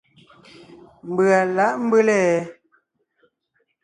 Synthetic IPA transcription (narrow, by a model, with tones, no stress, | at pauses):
m˨bɰa˨la˨˦ʔm̩˦bə˦lɛ˦˨˦